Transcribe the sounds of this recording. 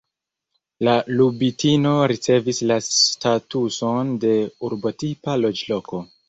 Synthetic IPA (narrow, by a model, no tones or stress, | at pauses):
lalubitino̞ɾit͡se̞vislasstatuso̞nde̞uɾbo̞tipalo̞d͡ʒlo̞ko̞